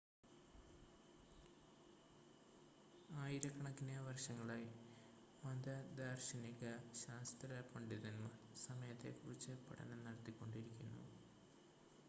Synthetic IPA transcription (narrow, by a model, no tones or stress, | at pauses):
aːjiɾɐkːɐɳɐkːinjɐʋɐrʂɐŋːɐɭaj | mɐd̪ɐd̪aːrɕɐnikːɐɕaːst̪ɾɐpɐɳɖiðɐnmɐsɐmɐjɐt̪ːe̞̰kurit͡ɕːɨpɐʈɐ̰nɐnɐɽɐt̪ːikʲːo̞ɳɖiɾikʲːunːṵ